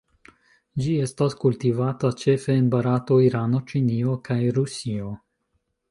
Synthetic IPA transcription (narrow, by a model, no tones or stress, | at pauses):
d͡ʒie̞staskultivatat͡ʃe̞feːnbaɾato̞iɾano̞t͡ʃiniokʰajɾusio